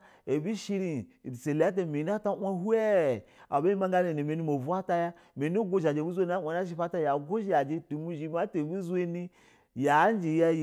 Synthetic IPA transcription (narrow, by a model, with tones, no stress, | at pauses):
e˨bi˦ʃi˦ɾi˨dse˨la˦t̬a˦˨mi˨˦n˦a˦ta˦ʔʷa˦hu˦e˦˨a̰˨ba˦i˦ma˦ŋɡa˦ne˨ni˨me˨ni˦mo˨vu˦a˦ta˦ja˦ | me˨n˦o˦ɡʷo˦ʒa˨d͡ʒe˨bu˦zʷe˦n˦a˦˨a˨na˦ʃ̬i˦pa˦ta˦˨ja˨ɡo˦ʒi˦a˨d͡ʒe˦tu˨mu˦ʒi˨ma˦te˨bu˦ze˦ni˦ | ja˨˦n˦d͡ʒi˨ja˦˨